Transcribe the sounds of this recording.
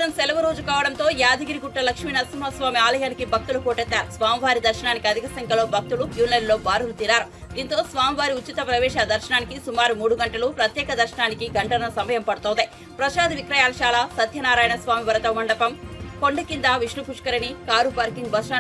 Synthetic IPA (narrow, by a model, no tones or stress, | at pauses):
nɐmsɛlɐʋɐɾoːd͡ʒukaːʋɐɽɐnt̪o̞ːjaːd̪ɐɡiɾiɡuʈːɐlɐkʂminɐsimɦɐsʋaːmiaːlɐjaːnikibʱɐk̚t̪ulukoːʈɛt̪ːaːɾusʋaːmiʋaːɾid̪ɐɾʃɐnaːnikiɐd̪ʱikɐsɐŋkɐlo̞ːbʱɐk̚t̪ulukjuːnlɐjɖlo̞ːbaːɾulut̪iɾaːɾu | d̪iːnt̪o̞ːsʋaːmiʋaːɾiut͡ʃːit̪ɐpɾɐʋɛːʃaːd̪ɐɾʃɐnaːnikisumaːɾumuːɽuɡɐɳʈɐlupɾɐt̪jɛːkɐd̪ɐɾʃɐɳaːnikiɡɐɳɖɐnɐsɐmːɐjɐmpɐɽut̪oɔːnd̪e | pɾɐʃaːd̪iʋikɾɐjaːlɐʃaːlasɐd̪ʱjɐnaːɾaːjɐnɐsʋaːmiʋɐɾɐt̪ɐmɐɳɖɐpɐmko̞ɳɖɐkind̪aːʋiʂlupuʂkɐɾɐnikaːɾupaːɾkiŋɡbɐsaː